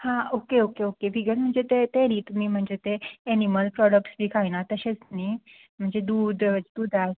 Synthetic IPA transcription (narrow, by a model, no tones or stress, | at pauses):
hãokeokeokebʱiɡəɾm̤əɳd͡zet̪et̪enit̪um̤iːm̤əɳd͡zet̪eeniməlpɾɔɽək̚ʈsbikʰajnat̪əɕet͡sni | m̤əɳd͡zed̪uːd̪d̪uːd̪ʱaɦe